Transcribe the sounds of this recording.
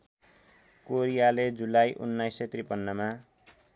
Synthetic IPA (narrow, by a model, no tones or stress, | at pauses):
koɾijaled͡zulajʔṵnːajset̪ripʌnːʌma